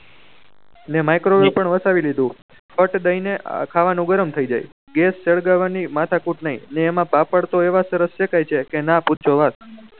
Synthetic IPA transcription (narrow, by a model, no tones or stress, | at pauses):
nemajkɾobõpəɳʋəsaʋilid̪ũ | fʰəʈd̪əjnekʰaʋanũɡəɾəmt̪ʰəid͡ʒa̰j | ɡesːeɭɡaʋanimat̪ʰakuʈnəɦḭ̃neːmãpapəɽt̪oeʋasəɾəsʃekajt͡ʃʰekenaputːt͡ʃʰoʋat̪̚